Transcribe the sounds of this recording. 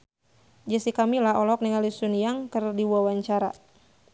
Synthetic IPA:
d͡ʒəsikamilaɔlɔk̚niŋalisunijaŋkɨrdiwuawaɲt͡ʃaɾa̰

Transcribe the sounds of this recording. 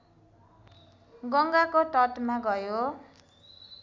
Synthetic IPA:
ɡʌŋɡakoʈʌʈmaɡʌjo

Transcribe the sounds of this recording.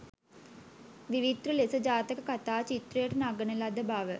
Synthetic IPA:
ʋiʋit̪ɾulesəd͡ʒaːt̪əkəkat̪aːt͡ʃit̪ɾɐjəʈənaɡənelad̪əbaːʋə

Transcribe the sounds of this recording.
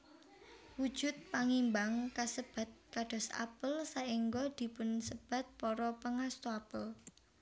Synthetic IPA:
wud̥ʒ̥ʊ̤t̪̚paŋimbaŋkasəb̥a̤t̪̚kaɖ̥ɔ̤sa̰pəlsaiŋɡɔd̪̥i̤pʊnsəb̥ä̤t̪̚pɔɾɔpəŋast̪oapəl

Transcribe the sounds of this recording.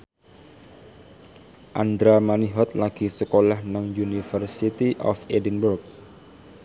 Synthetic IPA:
ʔand̪ɾamaniɦɔt̪̚laɡ̥i̤səkolahnaŋjunifərsit̪iʔɔ̰fedənburk̚

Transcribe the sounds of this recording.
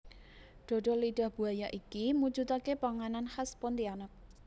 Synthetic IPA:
ɖ̪̥ɔ̤ɖɔ̤liɖ̥a̤hb̥ṳajaʔikimu̥d͡ʒut̪akepaŋananhaspɔnt̪ianək̚

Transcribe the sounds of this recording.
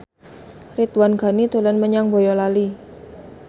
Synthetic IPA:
rit̪wanɡa̤nit̪olɛnməɲaŋbo̤jɔlali

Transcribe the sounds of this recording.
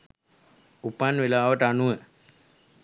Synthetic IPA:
upanʋelaːʋəʈanuwə

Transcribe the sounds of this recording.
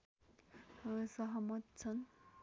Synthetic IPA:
sʌɦʌmʌt̪̚t͡sʰʌn

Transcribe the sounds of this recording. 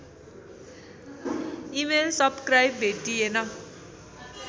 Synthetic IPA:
imelsʌbskrajbbʱeʈienʌ

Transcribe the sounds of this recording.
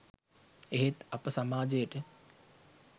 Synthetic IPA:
eɦet̪ɐpəsamaːd͡ʒejəʈə

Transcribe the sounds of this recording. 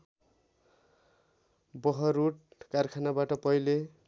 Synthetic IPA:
bʌɦʌɾuʈ̚karkʰanabaʈʌpʌjle

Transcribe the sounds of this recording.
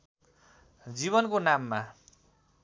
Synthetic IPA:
d͡ziβʌnkonamːa

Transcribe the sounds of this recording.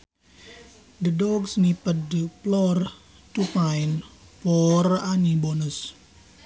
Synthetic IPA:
d̪ədɔɡsnipədəplɔr | tupajnpɔranibɔnəs

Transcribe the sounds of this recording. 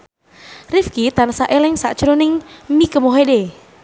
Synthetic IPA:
rifkit̪anasaʔɛlɛŋsaʔt͡ʃuɾonɪŋmikəmoɦede

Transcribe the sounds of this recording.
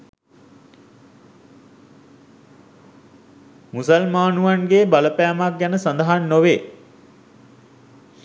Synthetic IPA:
musəlmaːnuʋanɡeːbaləpæːmak̚ɡænəsand̪əɦanːoʋeː

